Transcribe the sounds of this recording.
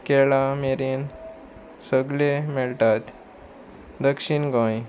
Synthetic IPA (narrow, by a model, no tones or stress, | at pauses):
kɛɭameɾen | səɡlemeɭʈ̪at̪ | d̪əkʂiɳɡɔ̃j